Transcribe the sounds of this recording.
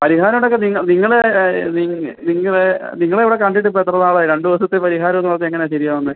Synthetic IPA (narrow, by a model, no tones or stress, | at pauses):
pɐɾiɦaːɾɐmɽokːeniŋːɐniŋːɐɭeniniŋːɐɭniŋːɐɭeʋiɽe̞kɐɳɖiʈːɨp̬oet̪ːrɐðaːɭɨɾe̞ɳɖɨʋɐsɐt̪ːepɐɾiɦaːɾɐt̪ːumɭːt̪ːeŋːɐneɕɐɾijaːmɐnːɨ